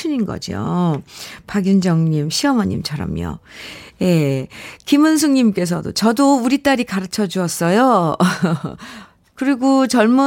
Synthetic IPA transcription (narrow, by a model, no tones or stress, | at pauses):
uɲinɡʌ̰d͡ʑḭjo̰ | paɡjund͡ʑʌŋɲimɕʰiʌmʌɲːḭmt͡ɕʰaɾʌ̰mjo̰je̞kimɯns̬ʰuŋɲimk͈e̞s̬ʰʌdo̰t͡ɕʌdouɾit͈aɾikaɾɯt͡ɕʰʌd͡ʑuʌs͈ʌjo | kɯɾiɡot͡ɕʌɭmu